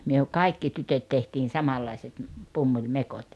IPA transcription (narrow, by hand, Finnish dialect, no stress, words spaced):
myø kɑikːi tytøt tehtiːn sɑmɑlːɑiset m̩ pumːulʲmekot